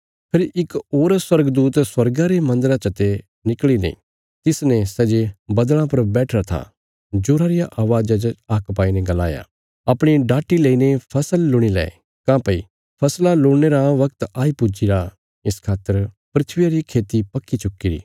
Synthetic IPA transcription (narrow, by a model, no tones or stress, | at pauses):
pʰɪɾʔɪkoːɾswɐɾɡd̪uːt̪swɐɾɡaɾemɐ̃nd̪əɾat͡ʃɐt̪e | nɪklinḛ̃ | t̪ɪsnɛ̃sɛd͡ʒebɐd̪ɭ̃ãpɐɾbɛːʈʰɾat̪ʰa̰ | d͡ʒoːɾaɾɪjaʔaːʋaːd͡ʒat͡ʃaːkpaːinɛɡɐla̰ːja̰ | ɐpɽ̃iɖaːʈːileːinepʰɐsəlːʊɽ̃ilɛ̰ː | kãːpɐi | pʰɐslaloːɽneɾaʋɐkt̪aːipʊd͡ʒiɾa | ɪskʰaːt̪ːəɾ | pɾɪt̪ʰʋɪjaɾikʰeːt̪ipɐkːit͡ʃʊkːiɾḭː